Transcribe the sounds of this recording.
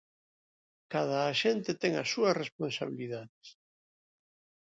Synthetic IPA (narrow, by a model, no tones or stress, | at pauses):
kað̞aːʃent̪et̪ɛŋa̰suɐsresponsaβ̞iliðaðes